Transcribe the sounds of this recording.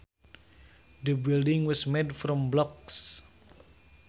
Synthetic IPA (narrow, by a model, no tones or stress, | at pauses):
d̪əbildɪ̃ŋwɔsmedfɾɔmblɔks